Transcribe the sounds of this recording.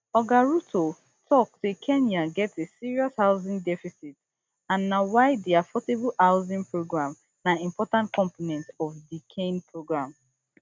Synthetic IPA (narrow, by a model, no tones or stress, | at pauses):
ɔɡaɹutʰo | tʰɔk̚tekʰɛ̃njaɡɛtesiɹiɔshaʊzĩŋdɛfisit | ãnːawaɪdiafɔteblaʊzĩŋpʰɹoɡɹãm | naĩmpɔtãntkʰɔ̃mponɛ̃ntɔfdikʰẽnpɹoɡɹãm